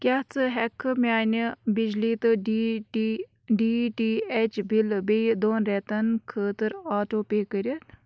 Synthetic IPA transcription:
kʲat͡sɨɦɛkʰɨmʲaːnibid͡ʒliːt̪ɨɖi | ɖiːʈiːet͡ʃbilbejd̪oːnɾɛt̪ɐnkʰəːt̪ɨɾaːʈoːpeːkəɾʲət̪

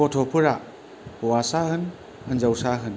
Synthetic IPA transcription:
ɔtʰɔpʰɯɾa | pɔwasahɯn | ɯnd͡ʒawsaɦɯn

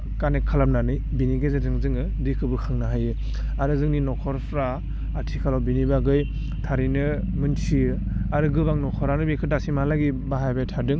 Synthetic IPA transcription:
kanekʰalap̚nanɯjbiniɡezetɯŋzɯŋɯ | dikʰɯbɯkʰɯŋnaɦajɯ | aɾɯzɯŋninɔkʰɔɾpʰɾaː | tʰikʰalawbinibaɡɯj | tʰaɾinɯ | mɯnsiɯ | aɾɯɡɯbaŋnɔkʰɔɾanɯbikʰɯtasimalaɡibaɦajbajtʰadɯŋ

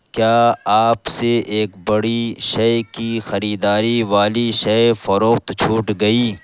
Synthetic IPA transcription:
kjaːaːpseʔeːkbɐɽiʃɐjkixɐɾiːd̪aːɾiʋaːliʃɐjfɐɾoːxt̪t͡ʃʰuːʈɡɐiː

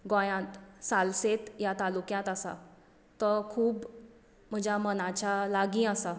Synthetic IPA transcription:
ɡõjãt̪salset̪jat̪alukjãt̪asa̰ | t̪ɔkʰuːb | m̤əd͡ʑʱjamənat͡ɕalaɡĩːəsa

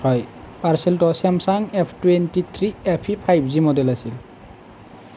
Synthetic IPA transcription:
hɔj | paɹsɛltɔsɛmsaŋepʰtwentit̪ʰɹiɛpʰipʰajbzimɔdɛlasil

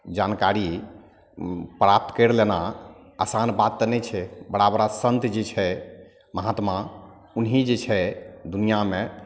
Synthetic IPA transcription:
d͡ʒankaɾi | pɾap̚t̪ʰkəɾlena | a̰sanbat̪ːənɛt͡ʃʰɛbəɽabəɾasənt̪d͡ʒet͡ʃʰɛ | məɦat̪ma | unɦid͡ʒet͡ʃʰɛd̪unijamẽ

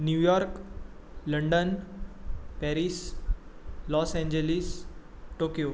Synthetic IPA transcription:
njujɔɾk | ləɳɖən | pɛɾis | lɔsɛ̃ɲd͡ʑelis | ʈokijo

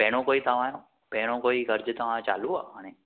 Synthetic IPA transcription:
pɛɽ̃õkoit̪əʋãnõ | pɛɽ̃õkoiɡʱəɾd͡ʒt̪əʋãt͡ʃa̰lũɦɔəne

